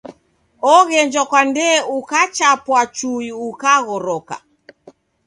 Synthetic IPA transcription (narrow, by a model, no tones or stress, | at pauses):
ɔɣɛɲd͡ʒɔkwandɛukat͡ʃapwat͡ʃuiukaɣɔɾɔka̰